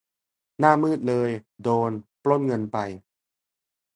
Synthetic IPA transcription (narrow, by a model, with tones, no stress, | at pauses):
naː˥˩mɯː˥˩t̪̚lɤː˧jdoː˧nplo˥˩n̚ŋɤ˧npa˧j